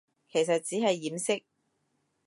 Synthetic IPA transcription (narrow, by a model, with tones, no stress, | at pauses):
kʰe˨˩js̬ɐ˨t̚t͡siː˨˥hɐ˨jːiː˨˥msɪ˥k̚